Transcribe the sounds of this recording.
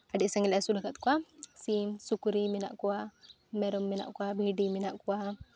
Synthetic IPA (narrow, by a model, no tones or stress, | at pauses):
adiʔsaŋɡilasulakat̪kwasisukuɾimina̰ʔkuwa | mɛɾɔmːina̰ʔkwabiɖiminaʔkuwa